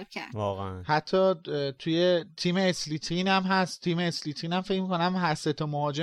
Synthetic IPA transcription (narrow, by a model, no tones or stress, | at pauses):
ævɒːɣḛænhæt̪ʰːɒːt̪ʰujet̪ʰiːmeːslit̪ʰiːnæmɦæst̪ʰːiːmeːsliːt̪ʰiːnæmfecmiːkonæmɦæɾset̪ʰomohɒːd͡ʒe